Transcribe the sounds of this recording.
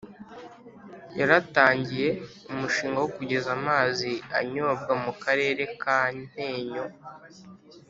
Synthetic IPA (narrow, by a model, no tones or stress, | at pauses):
jaɾataːɲɟije̞ | umuʃiːŋɡawokuɟe̞zamaːzia̰ɲo̞bɡamukaɾe̞ːɾe̞kaːn̥e̞ːɲo̞